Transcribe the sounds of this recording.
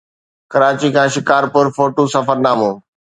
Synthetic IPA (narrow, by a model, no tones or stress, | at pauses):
kɐɾaːt͡ɕikʰãːʃɪkaːɾpʊɾfoːʈoːsɐfəɾnaːmõː